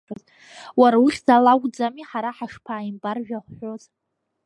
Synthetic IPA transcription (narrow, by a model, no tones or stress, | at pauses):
oz | waɾauχʲzalaɡʷʼd͡zamiħaɾaħaʂpʰaːimbarʒᶣaχʷħʷo̞zʼ